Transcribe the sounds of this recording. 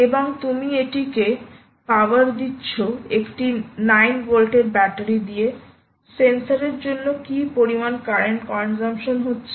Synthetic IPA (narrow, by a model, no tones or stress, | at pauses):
eboŋt̪umieʈike | paaɾd̪itːɕʰoekʈinajnɡolʈeɾbɛʈaɾid̪ije | sensaɾeɾd͡ʑonːokipoɾimankaɾeɳʈkɔnd͡ʑamʃonɦotːɕʰe